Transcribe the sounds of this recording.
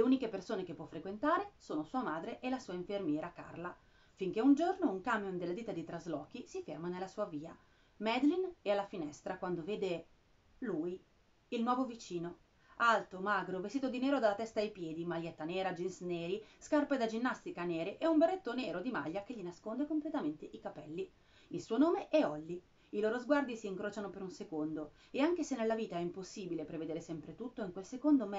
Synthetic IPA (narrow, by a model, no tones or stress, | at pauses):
leuːnikepersoːnekepːwɔfɾekwent̪aːɾesoːnosuːamaːd̪ɾeʔelasuːaiɱfermjɛːɾaka̰rla | fiŋkeund͡ʒornouŋkamːond̪elːad̪iːt̪ad̪it̪ɾazlɔːk̟isifermanelasuːaviːa | mɛd̪linɛalːafinɛst̪ɾakwand̪oveːd̪e | luːi | ilnwɔːvovit͡ʃiːno | alt̪omaɡɾovest̪it̪od̪inɛːɾod̪alːat̪ɛst̪aejpjɛːd̪imaʎːɛt̪ːaneːɾad͡ʒinsneːɾiskarped̪ad͡ʒinːast̪ikaneːɾeʔɛumberːet̪ːoneːɾod̪ima̰ʎːak̟eʎːinaskond̪ekomplet̪ament̪eʔikapɛlːi | ilsuːonoːmeʔɛɔlːi | iloːɾozɡward̪isiːŋkɾoːt͡ʃanopeɾunsekond̪o | eaŋk̟esenːelːaviːt̪aɛimposːiːbilepɾeved̪eːɾesɛmpɾet̪ut̪ːoiŋkwelsekond̪om